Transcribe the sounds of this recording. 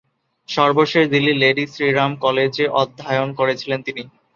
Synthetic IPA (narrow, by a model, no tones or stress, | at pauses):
ʃɔɾboʃeʃd̪ilːileɖisɾiɾamkɔled͡ʑeʔɔd̪ʱːajonkoɾet͡ɕʰilent̪ini